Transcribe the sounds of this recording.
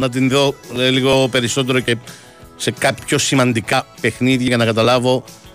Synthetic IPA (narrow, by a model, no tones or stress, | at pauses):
nɐt̪̬inðo̞eliɣo̞pe̞ɾiso̞t̪̬e̞ɾo̞ce̞ | se̞kɐpço̞simɐnd̪ikɐpe̞xniðʝɐʝɐnɐkɐt̪ɐlɐvo̞